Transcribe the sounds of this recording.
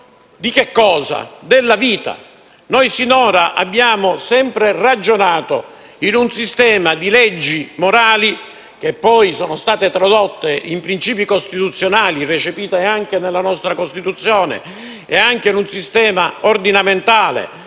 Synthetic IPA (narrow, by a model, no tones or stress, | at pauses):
d̪ikekːɔːza̰d̪elːaviːt̪a̰ | nojsinoːɾaʔa̰bːjaːmosɛmpɾerad͡ʒonaːt̪o̰ | inunsist̪ɛːmad̪ilɛd͡ʒːimoɾaːli | k̟epːɔjsoːnost̪aːt̪et̪ɾod̪ot̪ːeimpɾint͡ʃiːpikost̪it̪ut̪sːjonaːliret͡ʃepiːt̪eaŋk̟enelːanɔst̪ɾakost̪it̪ut̪sːjoːnḛ | eaŋk̟enunsist̪ɛːmaord̪inament̪aːlḛ